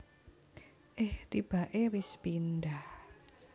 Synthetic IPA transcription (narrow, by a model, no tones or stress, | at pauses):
ʔeht̪ib̥a̤ʔewɪspindah